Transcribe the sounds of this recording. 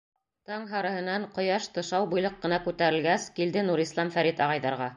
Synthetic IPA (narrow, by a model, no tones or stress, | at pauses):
t̪ɑŋɦɑɾɤ̆hɤ̆nɑɴqŏjɑʃt̪ɤ̆ʃɑwbujlˠɤqːɤ̆nɑkʉt̪æɾɘ̆lɡæskild̪ɘnuɾislˠɑmfæɾit̪ɑʁɑjðɑɾʁɑ